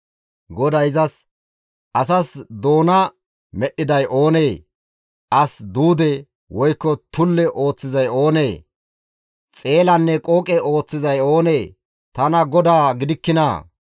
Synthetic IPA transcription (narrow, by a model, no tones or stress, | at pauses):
ɡɔd̪ɐjzɐs | ʔɐsɐsd̪o̞ːnɐ | mɛɗːɪd̪ɐjʔo̞ːne̞ː | ʔɐsd̪uːd̪ɛ | wɔjkːɔt̪ʊlːɛʔo̞ːt͡sːɪzɐjo̞ːne̞ː | t͡sʼe̞ːlɐnːɛkʼoːkʼɛo̞ːt͡sːɪzɐjo̞ːneː | t̪ɐnɐɡɔd̪aːɡɪd̪ɪkːɪnɐ